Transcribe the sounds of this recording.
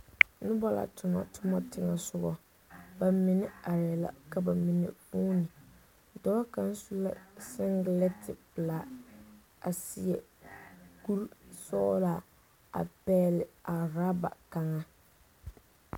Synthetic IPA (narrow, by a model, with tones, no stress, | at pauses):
nʊ˦bɔ˦la̰˨tʰʊ˨ŋɔ̰˨tʰʊ˦mɔ˦tɪ˨ŋa˨sʊ˦ɡɔ˦ | ba˨mɪ˨nɪ˦a˨jɛ˨la̰˨ka˨ba˨mɪ˨nɪ̰˨fuː˦nɪ˨ | dɔ˦lɔ˦ka˦n˦su˦la˦sɪ˦ŋɡlɛ˦tɪ˨pɨ˨la˨ | a˨si˦jɛ˨ | ku˦ɾsɔ˦la˨ | a̰˨pɛː˦lɪ˨a˨ɾa˦ba̰˨ka˨ŋa˦